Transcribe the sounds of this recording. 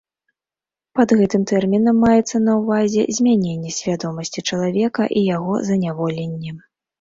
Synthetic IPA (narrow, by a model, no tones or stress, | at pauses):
pɐd̪ɣɛt̪ɨmt̪ɛrmʲinɐmːajɛt̪sːɐnɐwvazʲɛ̰zʲmʲanʲenʲːɛsʲvʲad̪ɔmɐsʲt͡sʲit͡ʂɐlˠavʲɛkɐʔijaɣɔ̰zɐnʲavɔlʲɛnʲːɛ